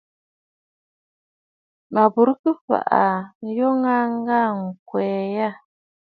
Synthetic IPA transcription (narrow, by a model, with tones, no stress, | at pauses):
ma˨bu˨ɾu˦kɨ˦fa̰˨ʔa˨ŋ̩˨jo˦ŋa˦ŋ˦ɡa˦˨ŋ̩˨kwɛː˨ja˦